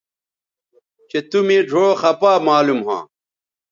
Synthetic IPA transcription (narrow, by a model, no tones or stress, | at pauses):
t͡ɕet̪umẽːɖʱoːxɐpaːmaːlumɦã̰ː